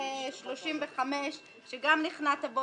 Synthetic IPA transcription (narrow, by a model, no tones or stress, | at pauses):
ʃloʃimveχameʃ | ʃeɡamniχnatabo